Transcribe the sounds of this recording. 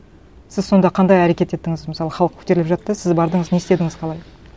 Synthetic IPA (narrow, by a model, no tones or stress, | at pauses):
sɪzso̞nd̪ɑqʰɑnd̪ɑjæɾe̞kʲe̞t̪e̞t̪ːɪŋɪzməsɑlˠəχɑlˠəq̚kʲʰɵ̥t̪e̞ɾɪlɪpʒɑt̪ːəsɪzbɑɾd̪əɴəzne̞st̪e̞d̪ɪŋɪzqʰɑlˠɑj